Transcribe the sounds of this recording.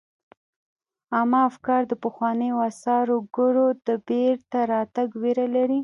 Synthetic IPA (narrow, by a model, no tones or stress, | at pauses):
amɑafkɑɾd̪əpəxwɑnəjoasɑɾoɡʊɽod̪əbeɾt̪aɾɑt̪aɡweɾalaɾi